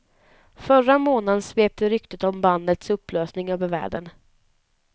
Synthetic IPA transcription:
fœɾamoːnad̪ənsveːp̚t̪əɾʏkt̪ət̪ɔmband̪ət̪sɵpːløːsnɪŋøːvəɾvæ̰ːɖən

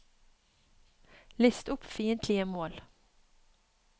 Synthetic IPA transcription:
lɪst̪ʊpfiːənt̪ʰlɪəmoːl

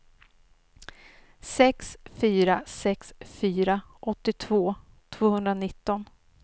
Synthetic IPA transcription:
sɛksfyːɾasɛksfyːɾa | ʔɔt̪ːɪt̪ʰvoː | t̪ʰv̥oːhɵnd̪ɾanɪt̪ːɔn

